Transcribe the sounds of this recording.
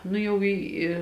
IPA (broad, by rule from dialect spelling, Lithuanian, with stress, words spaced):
ˈnʊ jɛʊ ˈiː ɪ